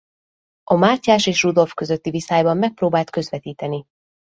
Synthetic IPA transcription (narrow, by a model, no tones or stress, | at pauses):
ɒmaːcːaːʃeːʃrud̪o̞lfkø̞zøt̪ːivisaːjbɒmːɛk̚proːbaːlt̪̚kø̞zʋɛt̪iːt̪ɛni